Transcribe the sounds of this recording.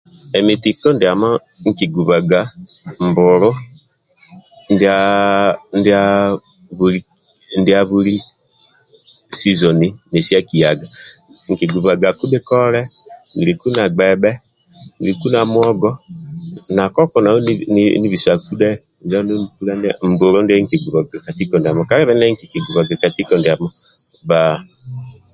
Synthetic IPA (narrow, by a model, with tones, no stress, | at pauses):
ɛ˨mi˨ti˨kɔ˦ndɪ˨a˨ma˦ | ŋ̩˨ki˨ɡu˨βa˨ɡa˨˦ | mbʊ˨ɾʊ˦ | nda˨ | nda˨˦ | βu˨ɾi˦ | ndi˨a˨βu˦ɾi˦ | si˦zɔ˨ni˨ne˨si˦a˦ki˨ja˨ɡa˨ŋ̩˨ki˨ɡu˨βa˨ɡa˨ku˦ɓe˦kɔ˦ɾɛ˦ŋi˨ɾi˨ku˦na˨ɡ͡bɛ˨ɓɛ˦ | ŋi˨ɾi˨ku˦na˨mwɔ˦ɡɔ˦ | na˨kɔ˦kɔ˨na˨ɔ˦ni˦βi˨swa˨ku˦dɛ˦˨ | d͡ʒa˦no˦mu˨ku˦la˦nd̰m̩˨bo˨ɾɔ˦ndi˦a˦ŋ̩˨ke˨ɡu˨βa˨ɡa˨ka˨ti˦kɔ˨nda˨mɔ˨ka˦ɾɛ˦βɛ˦nɛ˦ŋ˦ki˨ki˨ɡu˨βa˨ɡa˨ka˨ti˦kɔ˨ndi˨a˨mɔ˦ba˨